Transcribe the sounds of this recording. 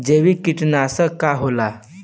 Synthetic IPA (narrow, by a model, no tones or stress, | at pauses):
d͡ʑeʋiːkiʈnaːsəkaɦola